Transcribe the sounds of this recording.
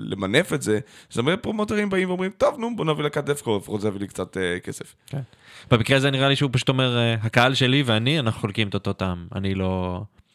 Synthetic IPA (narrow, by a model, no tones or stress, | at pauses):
lḛmane̞fetze̞zamepʁomoteʁimbaimveomʁimt̪ovnumbonavilakat̚defkofʁozevlikt͡sat̪ekesefken | b̥emikʁeazeniʁaliʃeupaʃu̥t̪o̞me̞ʁeɦakaalʃe̞liveanianaχu̥χolkimet̪ot̪ot̪ama̰nilo̞